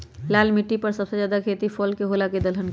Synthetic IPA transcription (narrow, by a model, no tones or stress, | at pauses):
laːlmɪʈːipəɾsəbsed͡ʒaːd̪akʰeːt̪ipʰɔːlkeɦoːlaked̪əlɦənk